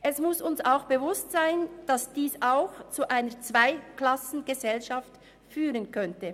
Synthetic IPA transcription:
ʔɛsmʊsʊnsaʊxb̥evʊstsaɪnd̥ɑsd̥iːsaʊxt͡suʔaɪnət͡sv̥aɪkl̥ɑsn̩ɡəzɛlʃaft | fyːʁənkʰœntə

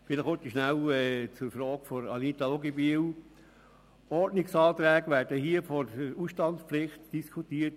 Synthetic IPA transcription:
fɪnəχot̪iʃnæwɛt͡sʊɾfɾɔːɡ̥fɔɾɑ̰nit̪aloɡebiw | ɔrtnɪksɑːt̪ɾɛːɡəʋæːɾd̥əhiəfɔəɾusʃtɑntsplɪχt̪d̥iskʰutiːət

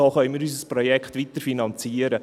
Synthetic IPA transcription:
oχœʏənmiːɾys̬əsprɔjɛkχtʋitəɾfinɑnt͡siːəɾə

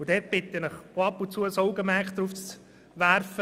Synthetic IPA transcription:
ʊd̥̪ɛt̚b̥ɪt̪ːənəχoɑpːʊnt͡suːəsɔʊɡəmæːkd̪ɾuːft͡s | ʋæɾfə

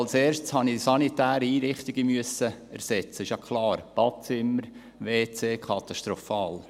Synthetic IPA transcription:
lseːɾʃshɑnisɑnit̪æːɾəiːɾɪχt̪ɪɡəmyəsəɛɾsɛt͡səɪʃjɑkʰlɑːɾb̥ɑtt͡sɪmːəɾ | ʋeːt͡seːkʰɑt̪ɑʃtɾɔfɑːl

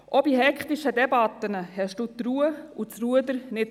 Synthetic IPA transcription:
ʔɔbiɦɛkχt̪iʃəd̪ɛbɑt̪ənəhɛʃd̥ut̪ɾuːəut͡sruəd̪əɾnɪt

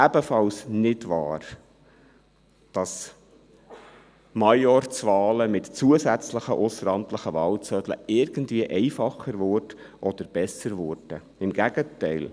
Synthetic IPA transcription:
æbəfɑlsnɪdʋɑ̰ːr | d̥ɑs | mɑjɔrt͡sʋɑːləmɪtt͡suəsæt͡sləχəʔʊsəɾɑmtləχəʋɑːlt͡sœd̥lə̰ɪɾɡ̥əndviəʔɛɪfɑχːəɾvʊrd | ʔɔd̥̪əɾb̥ɛsəɾvʊɾd̥ə | ɪmɡ̥æɡətɛɪl

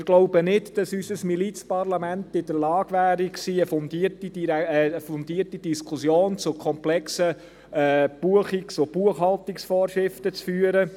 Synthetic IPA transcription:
ɪɾɡ̥loʊbənɪtd̥ɑsysəsmilit͡spɑrlɑmæntɪdəɾlɑːɡ̥ʋæːɾiksiːəfɔnd̪iərtid̥iɛəfɔnd̪iːəɾtid̥iskʰʊsjoːnt͡sʊkʰɔmplɛksə | ɛːb̥uəχiksob̥uəχhɑlt̪iksfɔːɾʃɾɪftət͡sfyːəɾə

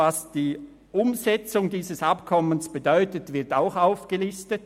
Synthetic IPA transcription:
asd̥iː | ʔʊmzɛt͡sʊŋdiːzəsapkʰɔmənsb̥edɔʏtətv̥ɪɐtaʊxaʊfɡ̥əlɪstət

